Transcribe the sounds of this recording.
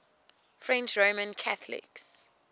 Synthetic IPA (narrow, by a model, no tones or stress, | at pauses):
fɹɛ̃nt͡ʃɹomə̃nkʰaθlɪ̰ks